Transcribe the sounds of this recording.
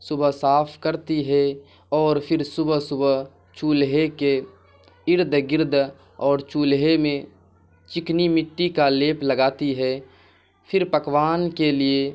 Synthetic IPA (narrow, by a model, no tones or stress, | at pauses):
sʊbəɦsaːpʰkəɾt̪iɦɛ | ɔːɾpʰɪɾsʊbəsʊb | t͡ʃuːlɦeke | ɪɾd̪ʱɡɪɾd̪ʱ | ɔːɾt͡ʃuːlɦemẽ | t͡ʃɪknimɪʈːikaleːpləɡaːt̪iɦɛː | pʰɪɾpəkwaːnkelie